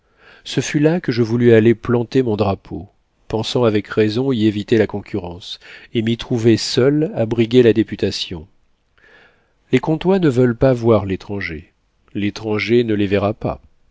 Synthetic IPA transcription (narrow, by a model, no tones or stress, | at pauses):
səfylakəʒəvulyaleplɑ̃t̪emɔ̃d̪ʁapʰo | pɑ̃sɑ̃avɛkʁezɔ̃ievit̪elakɔ̃kʰʲyʁɑ̃semit̪χuvesœlabʁiɡʲelad̪epyt̪asjɔ̃ | lekɔ̃t̪wanəvœlpavwaʁlet̪χɑ̃ʒe | let̪χɑ̃ʒenəleveʁapa̰